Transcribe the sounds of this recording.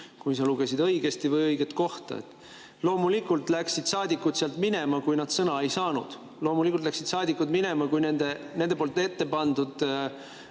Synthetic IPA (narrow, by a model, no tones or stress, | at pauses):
kujs̬ɑluɡ̥e̞sid̪ɤ̞jɡ̥e̞st̪ivɤjɤjɡ̥et̪ˑko̞ht̪ɑ̰ḛt̪ːˑ | lo̞ːmulikːˑult̪ˑlæksid̪̥sɑːd̪ikːˑut̪seɑlt̪mine̞mɑkujnɑd̪̥sɤnɑe̞jsɑːnud̪̥ | lo̞ːmulikult̪læksid̪sɑːd̪ikːˑud̪mine̞mɑkujnend̪ene̞nd̪epolt̪ːˑe̞t̪ːe̞pɑnd̪̥ud̪̥